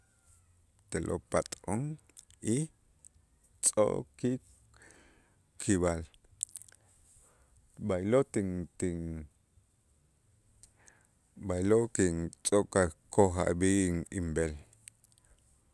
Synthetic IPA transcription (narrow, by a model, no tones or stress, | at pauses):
t̪elʔo̰pat̪ʼoŋ | i | t͡sʼo̰ʔki | kʰiβal | bajlot̪iŋt̪iŋ | bajlokiŋt͡sʼokakoɦa̰biiŋimbel